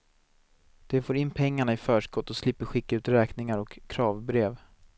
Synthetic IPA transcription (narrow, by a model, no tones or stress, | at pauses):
d̪̥ɛfoːɾɪnːpʰɛŋːaɳaɪfœːʂkɔt̪ːɔslɪpːəɧɪkːaʉ̟ːt̪ɾɛːknɪŋaɾɔkʰːɾɑːvbɾeːv